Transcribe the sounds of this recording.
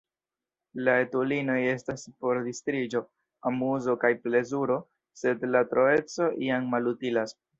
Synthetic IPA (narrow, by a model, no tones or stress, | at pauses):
lae̞tulino̞je̞staspo̞ɾdistɾid͡ʒo̞ | amuzo̞kajple̞zuɾo̞ | se̞dlatɾo̞e̞t͡so̞ʔiammalutilas